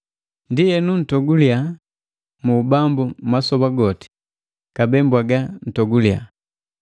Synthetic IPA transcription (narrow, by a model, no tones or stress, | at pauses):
ndijɛnun̩tɔɡulja | mubambumasɔbaɡɔti̥ | kabɛmbwaɡan̩tɔɡulja̰